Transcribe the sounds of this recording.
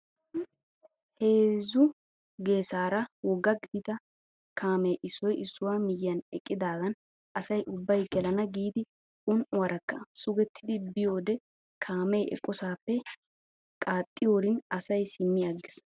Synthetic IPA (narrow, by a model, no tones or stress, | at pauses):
he̞ːzʊ | ɡe̞ːsaːɾɐwɔɡɐɡɪd̪ɪt̪ɐ | kʰaːmɛjʔɪsːɔjɪsːʊwaːmɪjːɐnɛ̰kʼːɪd̪aːɡɐn | ʔɐsɐjʔʊbːɐjɡɛlɐnɐɡiːd̪ɪ | ʊnʔʊwɐɾɐkːɐsʊɡɛt̪ʰːɪd̪ɪbɪjoːd̪ɛ | kʰaːmejʔɛ̰kʼːɔsaːpːɛ | kʼaːt̪ʼːɪjoːɾɪnɐsɐjsɪmːɪɐɡːɪs